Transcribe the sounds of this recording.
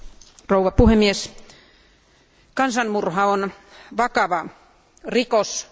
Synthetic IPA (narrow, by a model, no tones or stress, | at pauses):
rouʋɑpuhemːies | kɑnsɑnmurhɑon | ʋɑkɑʋɑ | rikos